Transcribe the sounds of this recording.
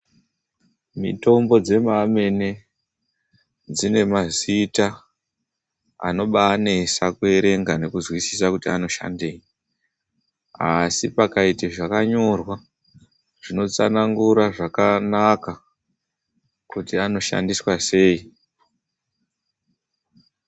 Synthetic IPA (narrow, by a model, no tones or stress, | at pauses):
mḭto̞mbo̞d͡ze̞mame̞ne̞ | d͡zine̞mazita | a̰no̞ɓaːne̞sakue̞ɾe̞ŋɡane̞kuzwisisakutiano̞ʃa̰ndeːj | asipakaitiʐakaɲo̞rwa | ʐ̥ino̞t͡sa̰naŋɡuɾaʐakanaka | kutiano̞ʃa̰ndiswase̞ːi